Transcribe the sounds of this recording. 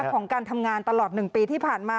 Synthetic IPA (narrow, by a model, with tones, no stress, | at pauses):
kkʰɔː˩˦ŋkaː˧nt̪ʰa˧mŋaː˧nt̪a˧lɔː˨˩t̪̚nɯ˨˩ŋpiː˧t̪ʰiː˥˩pʰaː˨˩nmaː˧